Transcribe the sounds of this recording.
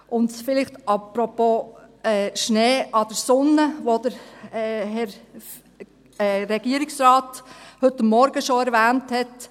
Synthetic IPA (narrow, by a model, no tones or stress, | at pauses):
ʔʊntfɪlɪχtʔɑpɾɔpoːɛʃneːʔɑd̥əɾsʊnːəʋod̥əɾ | ɦɛɾ | ɾɛɡ̥iəɾɪksrɑːthɵtːəmːɔɾɡəʃoɛɾvæːnthɛt